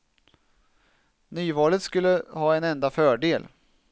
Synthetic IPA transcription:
nyːvɑːlət̪skɵlːəhɑːɛnɛnd̪afœːɖeːl

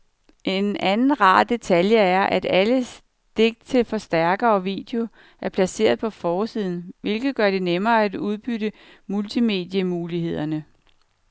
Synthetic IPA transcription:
ʔe̝nænn̩ʁɑ̰̈ːd̥e̝t͡sʰæljəæɐʔæd̥æləs | d̥e̝ɡ̥̚t͡sʰe̝lfɒ̽sd̥æɐɡ̥ɐɒʋḭːd̥eo̝ | æɐpʰlæse̝̰ːɐð̞̩ˠpʰɒ̽fɒːsið̞̰ˠn̩ʋe̝lɡ̥ð̞̩ˠɡ̥ɶɐd̥e̝nemɐːæd̥uð̞ˠb̥yɾə | mult͡sʰime̝̰d̥jəmuːlihe̝ð̞̰ˠɐnə

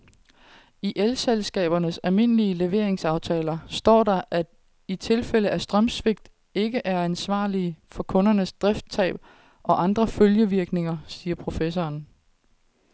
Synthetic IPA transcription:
iʔelselsɡ̥ɛ̰ːb̥ɐnəsælme̝nəliəle̝ʋe̝ɐe̝ŋsɑ̈ʊt͡sʰɛːlɐsd̥ɒ̰ːɾɑ̈ʔæ̥ | it͡sʰe̝lfel̰əʔæsd̥ʁɶmsʋe̝ɡ̥̚d̥ | e̝ɡ̥əʔæɐænsʋɑ̰̈ːlifɒ̽kʰɔ̽nɐnəsd̥ʁɛfd̥̚t͡sʰɛ̰ːb̥̚ | ʔɒ̽ʔɑ̈nd̥ʁɐføljəʋiɐɡ̥ne̝ŋɐsiːɐpʰʁo̝fesɒːn

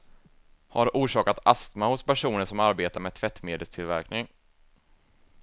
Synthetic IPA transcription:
haɖʔuːʂɑːkat̪ast̪mahʊspæʂuːnəʂɔmaɾbeːt̪aɾmɛt̪ʰvɛt̪ːmeːd̪əlst̪ʰɪlvæɾknɪŋ

